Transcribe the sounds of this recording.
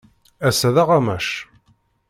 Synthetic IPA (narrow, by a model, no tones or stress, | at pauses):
æsæðaʁamæʃ